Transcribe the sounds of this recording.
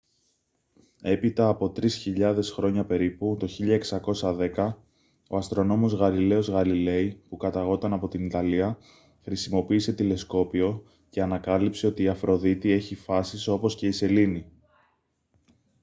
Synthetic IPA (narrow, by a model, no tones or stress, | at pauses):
e̞pit̪ɐːpo̞t̪ɾisçiʎɐðe̞sxɾo̞ɲɐpe̞ɾiput̪o̞çiʎɐeksɐko̞sɐðe̞kɐ | o̞ɐst̪ɾo̞no̞mo̞zɣɐlile̞o̞zɣɐlile̞ipukɐt̪ɐɣo̞t̪ɐnɐpo̞t̪init̪ɐliɐ | xɾisimo̞piːse̞t̪ile̞sko̞pio̞ | ce̞ɐnɐkɐlipse̞o̞t̪iːɐfɾʔo̞ðit̪ie̞çifɐsiso̞po̞sce̞ise̞lini